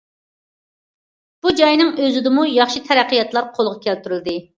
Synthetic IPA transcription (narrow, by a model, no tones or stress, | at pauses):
b̥ud͡ʒɑjnɨŋøzɪd̪ɪmujɑχʃit̪ʰɛɾæqːəjɑt̪lˠɑɾqʰolˠʁɑkʲʰælt̪yɾyld̪ɪ